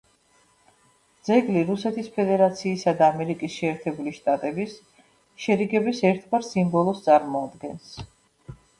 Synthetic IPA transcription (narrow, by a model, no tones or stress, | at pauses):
d̪zɛɡliɾusɛt̪ʰispʰɛd̪ɛɾat̪sʰiːsad̪aːmɛɾikʼisʃɛːɾt̪ʰɛbuliʃt̪ʼat̪ʼɛbis | ʃɛɾiɡɛbisɛɾt̪ʰvaɾsimbɔlˠɔst̪sʼaɾmɔad̪ɡɛns